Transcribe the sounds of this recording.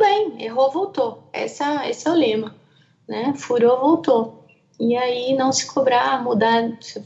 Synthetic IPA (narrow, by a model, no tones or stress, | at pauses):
bẽj̃eɦovowt̪oɛ̰sɐesɪɛwlẽmɐ | nɛfuɾovowt̪o | iainɐ̃w̃sɪ̥kʰobɾamud̪as